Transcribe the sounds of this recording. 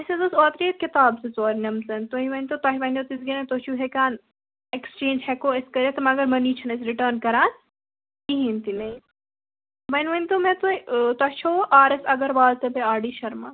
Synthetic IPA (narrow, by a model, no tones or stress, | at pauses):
ɐsezɐsoːt̪ɾiːt̪̚kɪt̪aːbset͡soːɾnɐmzɐnt̪oɦiʋɐnʲt̪ot̪ɐɦiʋɐnʲt̪ot̪isɡɐnẽt̪ot͡ʃʰuːɦekaːn | ekst͡ʃẽːnd͡ʒɦɛkoːeskɐɾet̪ɐmɐɡɐɾmɐniːt͡ʃʰɐnɐsɾiʈɐːɾnkɐɾaːn | kiɦĩːnt̪inɐi | ʋɐnʋɐnʲt̪omẽt̪uit̪ɐt͡ʃʰoːʔaːɾɐsɐɡɐɾʋaːlt̪ebeaːɖiːʃɐɾmaː